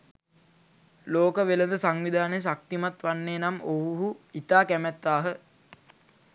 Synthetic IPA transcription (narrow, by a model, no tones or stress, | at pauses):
loːkəʋeləd̪əsaŋʋid̪ʱaːnejs̬ak̚t̪imat̪ʋanːeːnamoɦuɦuit̪aːkæmæt̪ːaːɦə